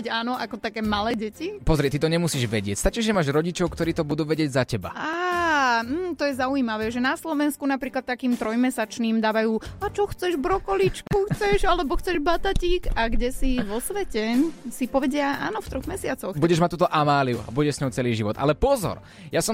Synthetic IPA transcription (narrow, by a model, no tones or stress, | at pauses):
aːnɔʔakɔt̪akɛːmalɛːɟɛcipɔzɾiɛt̪it̪ɔɲɛmusiːʒʋɛɟɪɛcst̪at͡ʃiʒʒɛmaːʒɾɔɟit͡ʃɔʊkt̪ɔɾiːt̪ɔbud̪uːʋɛɟɪɛɟzacɛba̰aːm̩ːt̪ɔjɛzaujiːmaʋɛːʒɛnaslɔʋɛnskunapɾiːklat̪ːakiːmt̪ɾɔjmɛsat͡ʃniːmd̪aːʋajuːat͡ʃɔxt͡sɛʒbɾɔkɔlit͡ʃkuxt͡sɛʒalɛbɔxt͡sɛʒbat̪aciːɡaɡɟɛsiʋɔsʋɛcɛsipɔʋɛɟɪaʔa̰ːnɔft̪ɾɔɣmɛsɪat͡sɔxbuɟɛʒmact̪uːt̪ɔʔamaːliṵa̰buɟɛʃsɲɔʊt͡sɛliːʒiʋɔt̪a̰lɛpɔzɔ̰ɾ | jasɔ